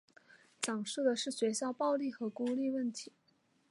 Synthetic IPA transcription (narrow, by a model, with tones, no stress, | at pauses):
ʈ͡ʂɑ˨˩ŋʂu˥˩d̪ə˨ʂɻ̩˥˩ɕɥɛ˧˥ɕjɑ˥˧ʊpɑ˥˧ʊli˥˩xɤ˧˥ku˥li˥˧wə˥˩nt̪ʰi˧˥